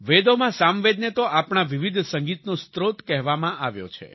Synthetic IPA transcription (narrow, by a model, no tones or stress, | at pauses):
ʋed̪omãsamʋed̪net̪oʔapɳaʋiʋid̪ʱsə̃ŋɡit̪nõst̪ɾot̪kɛɦʋamãʔaʋjo̰t͡ʃʰḛ